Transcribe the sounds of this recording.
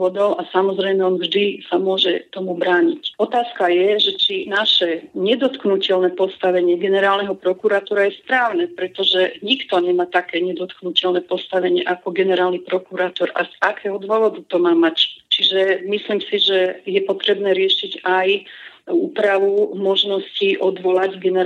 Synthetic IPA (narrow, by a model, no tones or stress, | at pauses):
ɔd̪ɔʊasamɔzɾɛjmɛɔnvʒd̪isamʊɔʒɛt̪ɔmubɾaːɲicɔt̪aːskajɛʒɛt͡ʃinaʃɛɲɛd̪ɔt̪knucɛlnɛpɔst̪aʋɛɲɪɛɡɛnɛɾaːlnɛɦɔpɾɔkuɾat̪ɔːɾajɛspɾaːʊnɛpɾɛt̪ɔʒɛɲikt̪ɔɲɛmaːt̪akɛːɲɛd̪ɔt̪knucɛlnɛpɔst̪aʋɛɲɪɛʔakɔɡɛnɛɾaːlnipɾɔkuɾat̪ɔɾazakɛːɦɔd̪ʋɔʋɔd̪ut̪ɔmaːmact͡ʃiʒɛmislimsiʒɛjɛpɔt̪ɾɛbnɛːɾɪɛʃiɟajuːpɾaʋumɔʒnɔsciʔɔd̪ʋɔlaɟɡɛnɛ